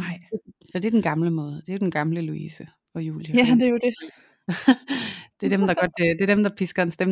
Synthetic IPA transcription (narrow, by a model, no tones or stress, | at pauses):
ɑɪfɒd̥e̝ɐd̥enɡ̥ɑ̈mləmɔ̽ːð̞ˠd̥e̝æjod̥enɡ̥ɑ̈mləluḭːsə | ɒ̽jṵːljəæd̥ejod̥e | d̥eæd̥emd̥ɑ̈ɡ̥ɒ̽d̥d̥e̝ɐd̥emd̥ɑ̈pʰisɡ̥ɐensd̥em